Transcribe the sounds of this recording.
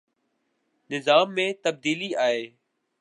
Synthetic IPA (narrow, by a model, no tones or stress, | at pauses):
nɪzaːmːẽːt̪əb̚d̪iːliːaːɦeː